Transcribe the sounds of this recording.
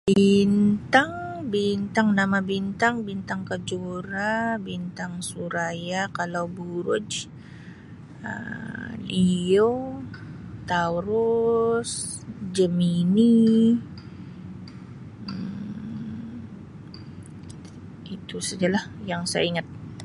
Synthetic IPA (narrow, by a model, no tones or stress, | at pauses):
bb̥int̪aŋbint̪aŋnamabint̪aŋbint̪aŋkad͡ʒuɾabint̪aŋsuɾajakalawbuɾʊ̰d͡ʒ | ə̰lio | t̪awɾʊsd͡ʒəmini | it̪usad͡ʒalahjaŋsaja̰iŋat̪̚